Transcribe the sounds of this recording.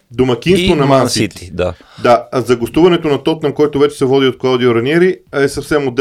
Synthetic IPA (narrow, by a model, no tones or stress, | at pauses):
d̪omɐk̟ʲinst̪vonɐmansiit̪d̪a | d̪azɐɡost̪uvɐnɛt̪onɐt̪ɔt̪nɐmkɔjt̪ʊvɛt͡ʃɛ̥sɛvɔd̪iot̪̚klˠawd̪ioɾɐnɛɾiɛsɐfsɛmod̪